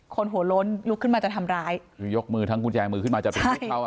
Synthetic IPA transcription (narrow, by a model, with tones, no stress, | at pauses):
kʰo˧nɦu˩˦ɐlo˦˥nlu˦˥kʰːɯ˥˩nmaː˧t͡ɕa˨˩t̪ʰa˧mɾaː˦˥jjo˦˥k̚mɯː˧t̪ʰa˦˥ŋkʰu˧nt͡ɕɛː˧ŋmɯː˧kʰɯ˥˩nmaː˧t͡ɕa˨˩pʰːa˥˩˦a˥˩w